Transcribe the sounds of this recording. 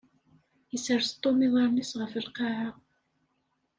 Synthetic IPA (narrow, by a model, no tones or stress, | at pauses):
jəsəɾst̪ˤːomɪðˤɑɾˤnisʁəfəlqɑʕa